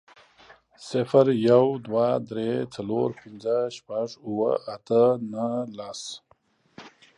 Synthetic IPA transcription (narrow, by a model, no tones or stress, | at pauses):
sɪfaɾjawd̪wad̪ɾet͡saloɾpɪnd͡zəʃpaʐuwə̰at̪ənalas